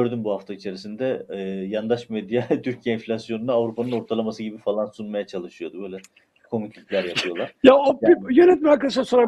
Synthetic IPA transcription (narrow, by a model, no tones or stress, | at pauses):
øɾd̪ymbuhaft̪ʰait͡ʃʰe̞ɾisind̪ɛːjand̪aʃmed̪jat̪ʰyɾcʰijeinfʲlʲasjo̞nunaːvɾupʰanɯno̞ɾt̪ʰalˠamasɯɟibifalˠansunmajat͡ʃʰalˠɯʃɯjo̞d̪ubø̞jlʲɛ | kʰo̞mit̪ʰip̪lʲæɾjapʰɯjo̞lˠaɾjaopijønɛt̪miakasansoɾa